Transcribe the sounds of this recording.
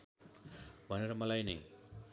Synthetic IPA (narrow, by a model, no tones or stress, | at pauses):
bʱʌneɾʌmʌlajni